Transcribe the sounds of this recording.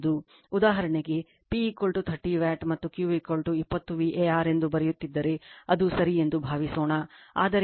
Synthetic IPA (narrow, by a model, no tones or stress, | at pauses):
d̪u | ud̪aːɦɐɾɐɳeɡe̞ | pikoːlʈut̪ʰɐʈːiʋaːʈmɐt̪ːukjuːʋikolʈuipːɐt̪ːuʋiʔeːaːɾe̞nd̪ubɐɾɛjut̪ːid̪ːɐɾe̞ɐd̪usɐɾije̞nd̪ubʱaːʋisoːɳɐa̰ːd̪ɐɾ